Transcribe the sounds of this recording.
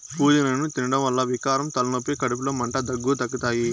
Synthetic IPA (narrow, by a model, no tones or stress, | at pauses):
puːd͡ʒɐnɐnut̪inɐɽɐmʋɐlːɐʋikaːɾɐmt̪ɐlɐnopːikɐɽup̬iloːmɐɳʈɐd̪ɐɡːuːt̪ɐkːɐt̪aːji